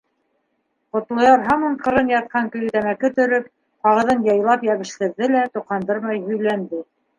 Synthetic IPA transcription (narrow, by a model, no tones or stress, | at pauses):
qŏt̪lˠɑ̆jɑɾɦɑmɤɴqɤ̆ɾɤnjɑt̪̚qɑŋkɵ̆jt̪æmækɘt̪ɵ̆ɾɵp̚ | qɑʁɤ̆ðɤnjɑjlˠɑpjæβɘ̆ʃt̪ɘ̆ɾðɘlæt̪uqɑnd̪ɤɾmɑjɦɵ̆jlænd̪ɘ